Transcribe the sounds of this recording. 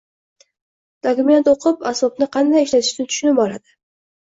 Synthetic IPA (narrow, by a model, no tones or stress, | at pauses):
d̪̥ɒkʲʊme̞nt̪oqʰɨpasbɒbnɪqʰɑnd̪ajɪʃlat̪ʰɪ̥ʃt̪ant̪ʰʊ̥ʃʊnɪb̚bɒlad̪ɪ